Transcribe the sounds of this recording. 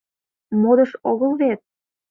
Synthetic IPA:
mod̪ə̆ʃoɣəlβet̪̚

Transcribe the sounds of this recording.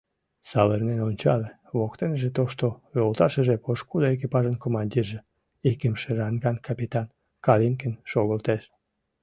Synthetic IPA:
sɑlərnenonʲt͡ɕɑle | βokt̪enʒet̪oʃt̪oβølt̪ɑʃəʒepoʃkud̪oek̬ipɑʒənkomɑnʲd̪ʲirʒe | ekəmʃerɑŋɡɑnkɑpʲit̪ɑn | kɑlinkenʃoɣəlt̪eʃ

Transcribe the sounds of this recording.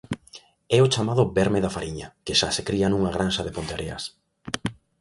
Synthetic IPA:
ɛot͡ʃamað̞ʊbɛɾmeðafaɾiɲakeʃasekɾianũŋaɣ̞ɾansaðepont̪eɾʔeɐ̰s

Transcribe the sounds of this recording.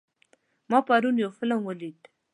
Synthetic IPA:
mɑpaɾunjawfɪlamwəlid̪

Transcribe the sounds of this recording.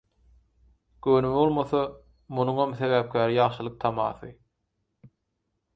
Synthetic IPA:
ɡ̥øːnymβo̞lˠmoθɑ | munuŋomθeβæːp̚kʲʰæːɾijɑʁʃɯlˠɯq̚t̪ʰɑmɑ̰ːθɯ

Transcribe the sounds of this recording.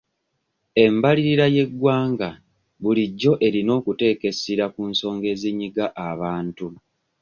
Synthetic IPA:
e̞mbaliɾiɾaje̞ɡwaːŋɡa | βuliɟːo̞ʔe̞ɾino̞ːkute̞ːke̞siɾakunso̞ːŋɡe̞ːziɲːiɡaʔaβaːntu

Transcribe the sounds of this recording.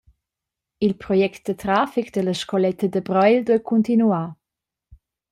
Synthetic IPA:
ilpɾɔjɛkt̪̚d̪̥ət̪ɾaːfikd̪ələʃkɔlɛt̪əd̪əbɾɔjldwɛkʰunt̪inuaː

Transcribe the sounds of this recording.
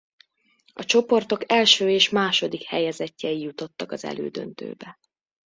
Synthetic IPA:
ɒt͡ʃo̞po̞rt̪o̞kɛlʃøːeːʃmaːʃo̞d̪ikhɛjɛzɛcːɛjijut̪o̞t̪ːɒkɒzɛ̰lʔøːd̪ø̰nt̪ø̰ːbɛ

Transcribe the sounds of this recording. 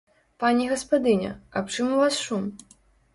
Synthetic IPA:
panʲɛɣɐspad̪ɨnʲɐ̰ɐ̰pt͡ʂɨmuvasʂum

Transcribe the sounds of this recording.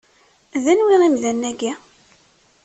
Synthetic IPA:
ðænwʁæmðænːæɡæ

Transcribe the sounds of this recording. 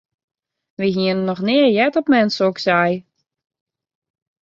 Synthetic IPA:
ʋiɦiənənːɔxnɪərjɛtɔpmɛnsəoksɛj

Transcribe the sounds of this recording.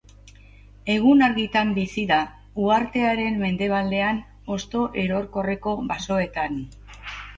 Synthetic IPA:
e̞ɣ̞unaɾɣit̪ambisiða | uaɾt̪e̞aɾe̞mːe̞nd̪e̞β̞ald̪e̞an | o̞st̪o̞ʔe̞ɾo̞ɾko̞re̞ko̞βaso̞e̞t̪an

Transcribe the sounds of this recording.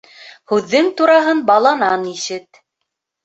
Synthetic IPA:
hʉðːɘŋt̪uɾɑɦɤnbɑlˠɑnɑniʃɘt̪̚

